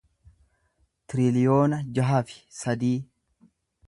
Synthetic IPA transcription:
t̪ɪɾɪlɪjoːnɐd͡ʒɐɦɐfɪ̥sɐd̪iː

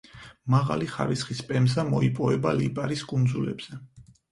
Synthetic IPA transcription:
maʁa̰liχa̰ɾisχispʼɛmzamɔipʼɔvɛbalipʼaɾiskʼund̪zulɛ̰bz̥ɛ

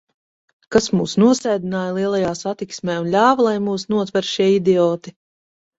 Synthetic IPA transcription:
kasmuːsnuɔsɛjd̪inaːjlˠiɛlˠajaːsat̪iksmʲɛːunlʲaːvalˠajmuːsnuɔt̪vɛɾʃiɛid̪ɛɔːt̪i

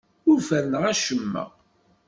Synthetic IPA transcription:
ʊɾfænnəʁæʃəmːæ̰

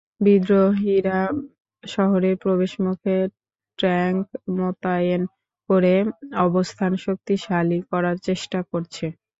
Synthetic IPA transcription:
bid̪ɾoɦiɾa | ʃɔɦoɾeɾpɾobeʃmukʰe | ʈɾɛŋkmot̪ajen | koɾeɔbost̪ʰanʃok̚t̪iʃalikɔɾaɾt͡ɕeʃʈakoɾt͡ɕʰe

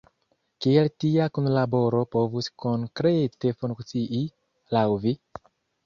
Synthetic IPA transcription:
kieltiakunlabo̞ɾo̞po̞vuskoŋkɾete̞fuŋkt͡siʔi | lawvi

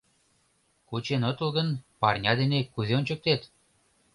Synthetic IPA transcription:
kut͡ɕenŏt̪ə̆lɣə̆npɑrnʲɑd̪enekːuzeonʲt͡ɕə̆k̚t̪et̪

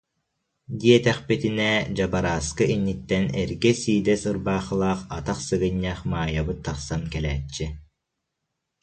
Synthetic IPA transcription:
d̪iɛt̪ɛχpit̪inɛd͡ʑabaɾaːskɯinːit̪ːɛnɛɾɡɛsiːd̪ɛsɯɾbaːχɯlˠaːχat̪aχsɯɡɯɲːɛːχmaːjabɯt̪ːaχsankɛlɛːt͡ɕːi

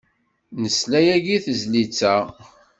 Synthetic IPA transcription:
nəslæjæʝiθəzlit͡sːæ

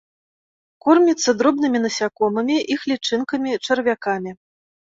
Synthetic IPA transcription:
kɔrmʲit̪sːɐd̪ɾɔbnɨmʲinɐsʲakɔmɐmʲiʔixlʲit͡ʂɨnkɐmʲit͡ʂɐrvʲakamʲi

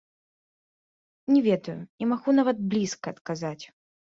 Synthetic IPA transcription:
nʲɛvʲɛd̪ujʊimaɣunavɐd̪̚blʲiskɐːt̪kazat͡sʲ

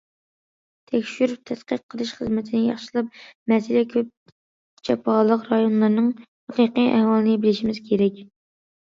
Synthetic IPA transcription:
t̪ʰɛkʲʃyɾyp̚t̪ʰɛt̪qəqʰːəlˠɨʃχəzmɪt̪ʰɪnɪjɑ̰χʃɨlˠɑp̚mɛsɪlɛkʲʰøp̚ | t͡ʃʰɛpʰɑlˠəqɾɑjonlˠɑɾnɨŋ | hɛqiqijʔæ̰hwɑlˠɨnɨbɪlɪʃimɪz̥kʲʰeɾɛkʲ

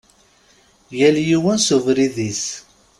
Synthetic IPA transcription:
jæljiwænsuvɾiðis

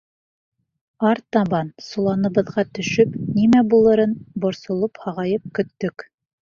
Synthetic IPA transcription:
ɑɾt̪ɑβɑnsulˠɑnɤ̆βɤ̆ðʁɑt̪ɵ̆ʃɵpnimæbulˠɤ̆ɾɤnbŏɾsŏlˠophɑʁɑjɤp̚kɵ̆t̪ːɵk

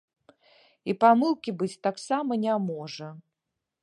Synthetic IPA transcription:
ipamɨlˠkʲibɨt͡sʲt̪aksamɐnʲamɔʐɐ

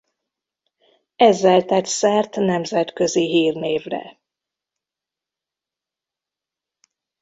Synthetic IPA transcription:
ɛzːɛlt̪ɛt̪ʲsɛrt̪nɛmzɛt̪køziɦiːrneːvrɛ̰

